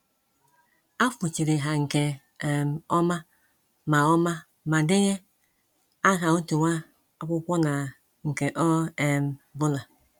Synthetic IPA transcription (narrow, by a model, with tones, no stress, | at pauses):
a˦fu˨t͡ʃi˨ɾe˨ɦa˨ŋ̩˨kɛ˨ | m˨ɔ˦ma˦ | ma˨ɔ˦ma˦ | ma˨de˦ɲɛ˦ | a˦ka˨u˦tu˨wʷa˦ | a˨kʷu˦kʷɔ˦na˨ | ŋ̩˨kɛ˨ʔɔ˦ɛ˨m˨bʊ˦la˨